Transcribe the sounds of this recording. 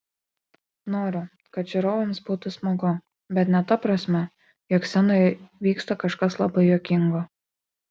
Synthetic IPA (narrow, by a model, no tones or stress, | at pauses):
noːɾʲʊ | kɐt̪ʒʲʊɾoːʋʲɐmsbuːt̪ʊsmoɡʊ | bʲɛt̪nʲɛt̪ɐpɾɐsʲmʲɛ | jɔːksʲɛnojʋʲiːkst̪ɐkɐʃkɐslˠɐbɐɪjoːkʲɪŋɡo